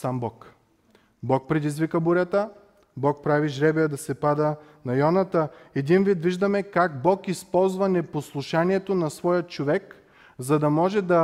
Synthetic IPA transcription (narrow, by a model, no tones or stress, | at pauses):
sambɔk | bɔk̚pɾɛd̪izvikəbʊɾʲat̪ə | bɔk̚pɾaviʒɾɛbɛd̪ɐsɛpad̪ə | nɐjɔnɐt̪əɛd̪invit̪viʒd̪ɐmɛkaɡ̚bɔkispɔlˠzvɐnɛposlˠuʃaniɛt̪onɐsvɔjət̪t͡ʃovɛk | zɐd̪ɐmɔʒɛd̪ɐ